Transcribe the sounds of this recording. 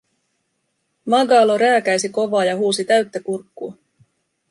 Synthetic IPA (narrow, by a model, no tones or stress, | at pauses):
mɑɡɑːlo̞ɾæːkæjs̬iko̞ʋɑːjɑɦuːsit̪æɥt̪ːækurkːuː